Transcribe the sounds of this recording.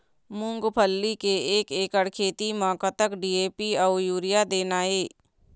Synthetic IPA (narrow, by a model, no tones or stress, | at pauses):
mʊ̃ŋɡpʰəlːikeeːkeːkəɽkʰeːt̪imãːkat̪əkɖiːeːpiɔːjuːɾɪjad̪eːnaːeː